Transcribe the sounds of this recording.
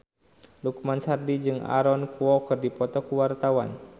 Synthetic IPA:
lukmansardid͡ʒɨŋa̰ɾɔnkuɔkɨrdipɔt̪ɔkuwart̪awa̰n

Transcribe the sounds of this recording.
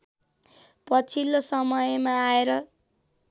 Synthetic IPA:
pʌt͡sʰilːosʌmʌjmaːeɾʌ

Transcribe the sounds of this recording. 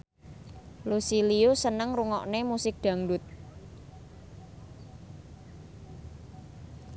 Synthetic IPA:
lusiliosənəŋruŋɔ̰ʔnemusɪk̚ɖ̪̥a̤ŋdʊt̪̚

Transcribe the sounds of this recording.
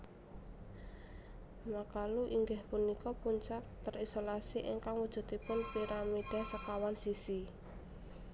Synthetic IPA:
makaluʔiŋɡahpunikɔpuɲt͡ʃak̚t̪əɾisolasiʔiŋkaŋwud̥ʒ̥ṳt̪ipʊnpiɾamid̥a̤səkawansisi

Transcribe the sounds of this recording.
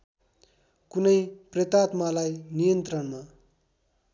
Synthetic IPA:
kunʌjpret̪at̪malajnijʌnt̪rʌnma

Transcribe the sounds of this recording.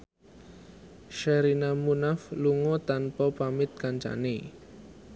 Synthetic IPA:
ʃɛɾinamunafluŋɔt̪anpɔpamɪt̪̚kaɲt͡ʃa̰ne

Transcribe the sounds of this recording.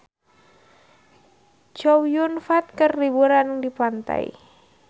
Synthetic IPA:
d͡ʒɔwjunfat̪̚kərlibuɾanŋdipant̪a̰ḭ

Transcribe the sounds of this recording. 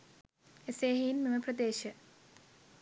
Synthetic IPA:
eseːɦiːnmeməprəd̪eːʃə

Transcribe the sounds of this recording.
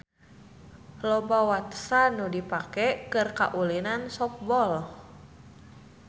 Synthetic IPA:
lɔbawat̪sanudipakɛkɨrka̰ʔulinansɔk̚bɔl

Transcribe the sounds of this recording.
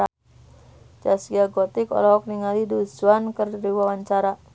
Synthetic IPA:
a | d͡ʒasiaɡɔt̪ikɔ̰lɔɦɔk̚niŋalidusuankərdiwawaɲt͡ʃaɾa

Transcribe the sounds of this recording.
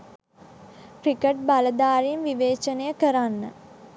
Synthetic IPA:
kɾikəʈ̚baləd̪aːɾimʋiʋeːt͡ʃənəjəkəɾanːə

